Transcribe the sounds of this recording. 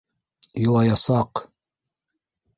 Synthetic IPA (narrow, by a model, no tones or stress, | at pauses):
ɤ̆lˠɑjɑsɑq